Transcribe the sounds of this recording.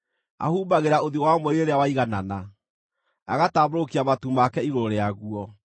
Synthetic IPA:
a̰huːbaɣeɾaoðiowamwɛɾeɾeawaiɣanana | aɣataːβoɾokiamatumakɛiɾoɾeaɣuɔ

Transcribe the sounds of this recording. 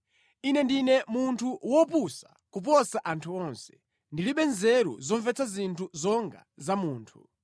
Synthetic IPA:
inɛndinɛmuntʰuwɔpusa | kup̬ɔsaʔantʰuɔnsɛ̥ | ndiliɓɛnzɛɾṵzɔɱvɛt͡sʰazintʰuzɔŋɡa̰zamuːntʰu

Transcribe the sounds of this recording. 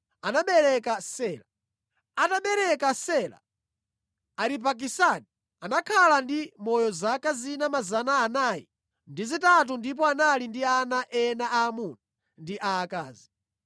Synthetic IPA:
anaɓɛɾɛkasɛːla | ataɓɛɾɛkasɛla̰ | aɾip̬ak̬isaːni | anakʰalandimɔjɔzakazinamazanaːnajḭ | ndizitat̬undip̬ɔanalindianaʔɛnaʔaːmuna | ndiʔaːkaːzi

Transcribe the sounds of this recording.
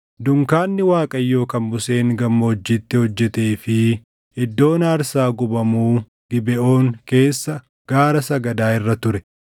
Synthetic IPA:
d̪ʊŋkaːnːɪwaːkʼɐjːo̞ːkɐnbʊseːŋɡɐmːɐɔd͡ʒːiːt̪ːɪhɔd͡ʒːɛt̪eːfɪ | ɪd̪ːo̞ːnaːɾsaːɡʊbɐmuː | ɡ̥ɪbɛʔo̞ːŋke̞ːsːɐ | ɡ̥aːɾɐsɐɡɐd̪aːɪrːɐt̪ʊɾɛ

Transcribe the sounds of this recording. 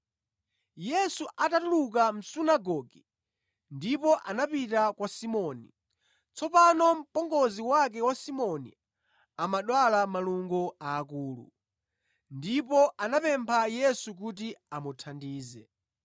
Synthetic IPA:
jɛsuʔatatuluk̬am̩sunaɡɔɡi | ndipɔʔanapitakwasimɔni | t͡sɔpanɔm̩pɔŋɡɔziwak̬ɛwasimɔnḭ | amaɗwalamaluŋɡɔaːkuːlṵ | ndipɔʔanapɛmpʰajɛsuk̬ut̬iamutʰandiːzɛ

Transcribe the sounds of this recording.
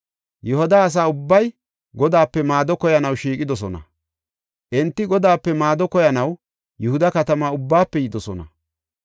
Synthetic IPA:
jɔɦɔd̪aːs̬aːʊbːɐj | ɡɔd̪aːpːɛmaːd̪ɔkɔjɐnɐwʃiːkʼɪd̪ɔs̬ɔnɐ̰ | ʔɛnt̪ːɪɡɔd̪aːpːɛmaːd̪ɔkɔjɐnɐw | jʊhʊd̪ɐkɐt̪ɐmaːʊbːaːpːɛjɪd̪ɔsɔnɐ̰

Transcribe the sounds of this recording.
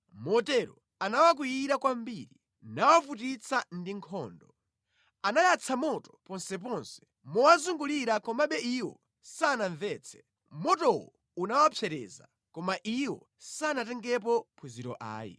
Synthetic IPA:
mɔtɛɾɔ | anawak̬ujiɾakwambiɾi | nawafutit͡sʰandiŋkʰɔːndɔ | anajat͡sʰamɔtɔ̥pɔnsɛp̬ɔnsɛ̥ | mɔwazuŋɡuliɾakɔmaɓɛiwɔ̰ | sanaɱvɛːt͡sʰɛ̥ | mɔtɔwɔ̰ | unawapʰjɛɾɛ̰za̰ | kɔmaʔiwɔ̰ | sanatɛŋɡɛp̬ɔpʰuziɾɔ̰ʔa̰ːjḭ

